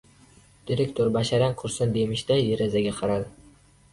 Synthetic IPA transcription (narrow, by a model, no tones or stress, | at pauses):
d̪̥iɾek̚ʲt̪ʰoɾbaʃaɾanqʰʊɾsand̪e̞mɪʃt̪ajeɾazaɡʲaqʰɑɾad̪ɪ